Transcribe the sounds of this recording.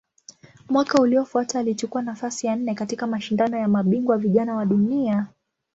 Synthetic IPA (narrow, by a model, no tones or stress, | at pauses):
mwakauliɔfuataːlit͡ʃukuanafasijan̩nɛkatikamaʃindanɔjamaɓiŋɡwaviʄanawaɗunia